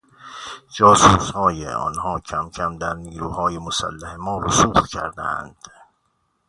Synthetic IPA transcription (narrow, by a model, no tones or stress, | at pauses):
d͡ʒɒːsuːshɒːjḛʔɒ̰ːnhɒːcʰæmcʰæmd̪æɾniːɾuːhɒːjemosæ̰lːæhemɒːɾosuːfcʰæ̰ɾd̪æ̰æ̰nd̪̥